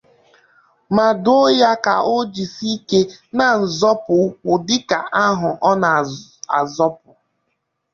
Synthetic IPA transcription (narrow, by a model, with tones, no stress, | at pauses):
ma˨dʊ˦ja˦ka̰˨ʔo˦d͡ʒi˨si˦ke˦na˨n̩˨zɔ˦pʊ˨˦kʊ˨dɪ˦ka˨ʔa˦ɦʊ˨ʔɔ˦na˨a̰˨zɔ˦pʊ˨